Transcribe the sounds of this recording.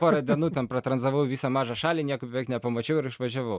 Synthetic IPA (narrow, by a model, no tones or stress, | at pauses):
poːɾɐd̪ʲɛnuːt̪ʲɛnpɾɐt̪ɾɐnzɐʋɐwʋʲiːsɐmɑːʒɐʃɑlʲinʲiɛkʊpʲɔɛknʲɛpɐmɐt͡ʃʲɛʊɪɾɪʃʋɐʒʲɛʋɐw